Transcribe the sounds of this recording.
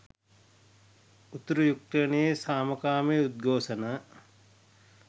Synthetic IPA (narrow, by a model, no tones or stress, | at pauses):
ut̪ɐɾujuk̚ʈenejesaːmɐkaːmeud̪̚ɡʱoːʃɐnə